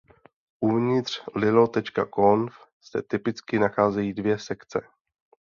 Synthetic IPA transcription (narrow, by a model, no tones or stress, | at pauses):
ʔuvɲɪt̪r̝̥lɪlot̪ɛt͡ʃka̰konfsɛ̰t̪ɪpɪt͡skɪnaxaːzɛjiːdvjɛsɛkt͡sɛ